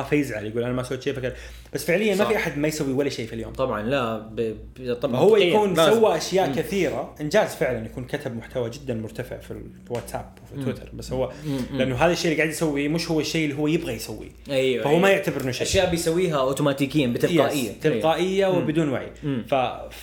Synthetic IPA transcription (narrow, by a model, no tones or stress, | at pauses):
afajɪzʕaljaɡuːlʔanamasawːt̪ʃeːfakɾ | b̥asːfɪʕlɪjːannmafiʔaħad̪majsawːiwalːaʃeːfiljo̰ːmt̪ˤɑbʕɑ̰nlab | t̪ˤɑhʊwːajauːnsawːaʔaʃjaːʔkaθiːɾaʔɪnd͡ʒaːzfɪʕlanjakuːnkat̪ʰab̚mʊħt̪ʰawad͡ʒɪd̪ːanmʊɾt̪afɪ̰ʕfḭ | wat̪sa̰ːpwfiwɪt̪ʰɑ̰ɾˤbasːhʊwːaʔanːʊɦaːðaʃːeːʔlːiɡaːʕɪd̪jsawːimɪʃhʊwːaʃːeːʔɪlːiɦʊwːajɪbɣajsawːḭ | ʔajfahuːmajɪʕt̪abɪɾnaʃʔaʃjaːʔbɪjsawːiːɦaʔoːt̪umaːt̪iːkɪjːanbɪt̪ːaːʔɪjːat̪ɪlːqaːʔɪjːawɪbɪd̪uːnwa̰ʕḭmfa